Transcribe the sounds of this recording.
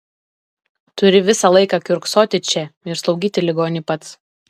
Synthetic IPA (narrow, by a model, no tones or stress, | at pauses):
t̪ʊɾʲɪʋʲɪsɑlˠɐɪkɑkʲʊɾksoːt̪ʲɪt͡ʃʲɛɪɾslˠɒʊɡʲiːt̪ʲɪlʲɪɡoːnʲɪpɐt̪s